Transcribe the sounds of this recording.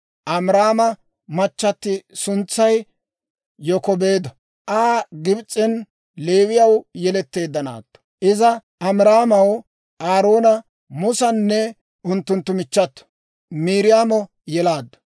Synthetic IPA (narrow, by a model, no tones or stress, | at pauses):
ʔɐmɾaːmɐ | mɐt͡ʃːɐt̪ːɪsʊnt͡sːɐj | jɔkɔbeːd̪ɔ | ʔaːɡɪbt͡sʼːɪn | leːwɪjɐwjɛlɛt̪ːe̞ːd̪ːɐna̰ːt̪ːɔ̥ʔɪzɐ | ʔɐmɾaːmɐw | ʔaːɾo̞ːnɐ | mʊsɐnːɛ | ʔʊnt̪ːʊnt̪ːʊmɪt͡ʃːɐt̪ːɔ̥ | miːɾɪjaːmɔ | jɛlaːd̪ːɔ̥